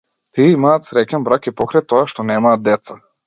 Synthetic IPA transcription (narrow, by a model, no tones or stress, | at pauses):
t̪iɛimaːt̪sɾɛkʲɛnbɾakipɔkɾajt̪ɔaʃt̪ɔnɛmaːt̪̚d̪ɛt̪sa